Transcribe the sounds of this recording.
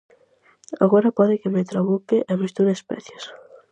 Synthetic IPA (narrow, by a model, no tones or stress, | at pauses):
aɣɔɾapɔðɪkemet̪ɾoβukeʔamist̪uðespɛ̰θjos